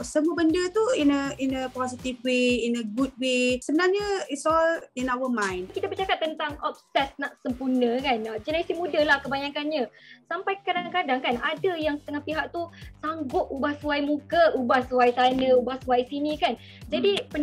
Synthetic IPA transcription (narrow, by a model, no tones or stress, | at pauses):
səmuəbəndət̪uinəinəpɔsit̪ifweinəɡut̚wesəbənarɲəitsɔlinawəmãjnkit̪abərt͡ʃakat̪ːənt̪aŋɔp̚sɛt̪̚naʔsəmpurnə̃kanad͡ʒənaisimudəlahkəbaɲakanɲəsampajkadaŋkadaŋkanadəjaŋsə̥t̪əŋahpiɦak̚t̪usaŋɡʊp̚ubahsuajmũkəubahsuwajtanəubahsuwajsinikan | d͡ʒadipə